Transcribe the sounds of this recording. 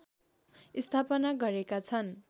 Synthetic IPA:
ist̪ʰapʌnaɡʌɾekat͡sʰʌn

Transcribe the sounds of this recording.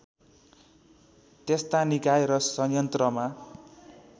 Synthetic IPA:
t̪est̪anikajeɾʌsʌjʌnt̪rʌma

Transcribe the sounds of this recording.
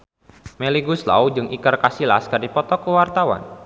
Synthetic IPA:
mɛliɡusla̰ud͡ʒɨŋʔikərkasila̰skərdipɔt̪ɔkəwart̪awa̰n

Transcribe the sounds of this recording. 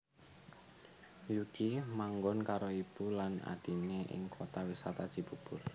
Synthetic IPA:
juɡ̥imaŋɡɔnkaɾoib̥ulana̰d̪̥i̤neʔɪ̰ŋkʰot̪awisat̪ad̥ʒ̥i̤b̥ṳb̥ʊr

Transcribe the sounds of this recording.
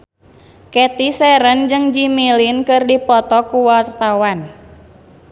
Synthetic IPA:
kɛt̪isɛɾənd͡ʒɨŋd͡ʒimilinkɨrdipɔt̪ɔkuwart̪awan

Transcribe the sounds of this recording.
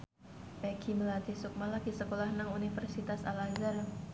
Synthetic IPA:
bɛkʰiməlant̪isuk̚malakisəkolahnaŋunifərsit̪asalad͡ʒər

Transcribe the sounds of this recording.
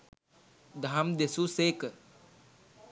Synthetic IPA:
d̪ʱaːmd̪esuseːk

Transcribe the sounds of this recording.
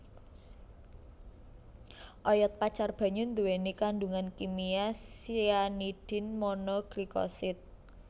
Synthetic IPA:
ʔɔjɔt̪̚pat͡ʃarb̥a̤ɲʊnd̪uwenikaɳɖuŋankimiasianiɖ̪̥ɪ̤nmɔnɔɡ̥likɔ̰sɪt̪̚

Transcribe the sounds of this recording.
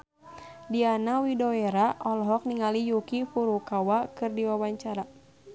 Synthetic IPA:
dianawidoeɾaʔɔlɔɦɔk̚niŋalijukipuɾukawakɨrdiwawaɲt͡ʃaɾa

